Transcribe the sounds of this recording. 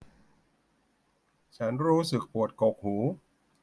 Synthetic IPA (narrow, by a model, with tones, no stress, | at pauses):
t͡ɕʰa˦˥nɾuː˦˥sɯ˨˩k̚pu˨˩ət̪̚ko˨˩k̚huː˩˦